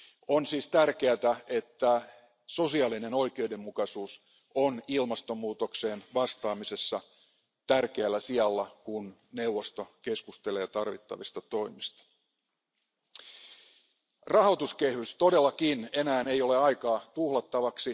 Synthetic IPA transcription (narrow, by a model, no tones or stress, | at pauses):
onsiːst̪ærke̞æt̪æe̞t̪ːæ | so̞siɑlineno̞jke̞ude̞mːukɑsuːs | onilmɑst̪o̞mːuːt̪okse̞ːnʋɑst̪ɑːmise̞sːɑ | t̪ærkeælːæsiɑlːɑkunne̞uwʋːo̞st̪o̞ke̞skust̪ele̞ːt̪ɑrʋḭt̪ːɑ̰ʋist̪ɑt̪o̞imist̪ɑ̥ | rɑhot̪uske̞hyst̪o̞delːɑkine̞næːnejo̞le̞ɑjkɑːt̪uhlɑt̪ːɑʋɑksi